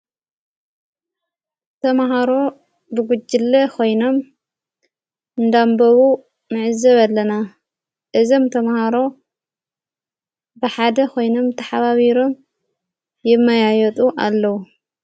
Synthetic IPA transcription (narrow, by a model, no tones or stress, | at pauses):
t̪ʰɐmaɦaɾo̞ | bɨɡud͡ʒːɨlːɐkʰo̞jno̞m | ɨnd̪ambɐβu | mɨʕɨzɐβalːɐna | ʔɨzomt̪ʰɐmahaɾo̞ | bɨħad̪ɐkʰo̞jno̞mt̪ʰɐħaβaβiɾo̞m | jɪmːɐjajɛt̪ʼuʔa̰lːɐwu